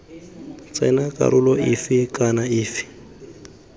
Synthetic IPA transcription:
t͡sʼɛnakʼa̰ɾʔulɔifikʼanaiːfi̥

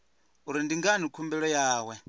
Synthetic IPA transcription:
uɾindiŋɡanikʰumbɛɺɔjaːwɛ

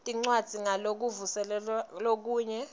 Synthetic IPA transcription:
tʼiŋ͡ǀwad̥z̥ʱiŋalok̬uvusɛlɛlalok̬uːɲɛ

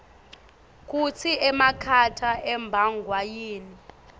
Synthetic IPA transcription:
k̬ʼut͡sʰiʔɛmakʰatʰaʔɛmbʱaŋɡʱwajiːni

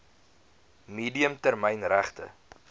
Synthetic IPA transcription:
miːdiəmtærməjnræχtə̰

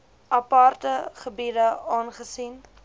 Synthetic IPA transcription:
ʔɐpɑrtəχəbiːdəɑːnχəsin

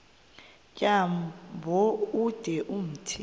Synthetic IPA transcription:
kʼambʱɔud̥ʱɛʔum̩tʰi

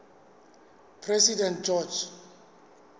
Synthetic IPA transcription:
pʰrɛsidɛnt̚d͡ʒɔd͡ʒ

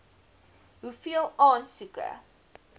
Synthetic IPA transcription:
ɦufiəlˠɑːnsukə̰

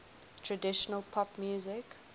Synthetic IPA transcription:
tʰɹədɪʃənəlˠpʰɔpmjuːzɪk

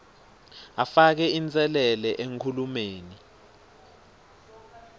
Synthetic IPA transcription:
afak̬ɛint͡sʼɛlɛlɛʔeŋkʰulumeːni

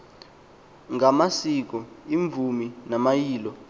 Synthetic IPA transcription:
ŋamasik̬ɔiɱvʱuminamajiːlɔ

